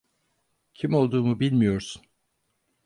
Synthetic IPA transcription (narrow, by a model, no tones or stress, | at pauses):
cʰimo̞lˠd̪uːmubilʲmijo̞ɾsun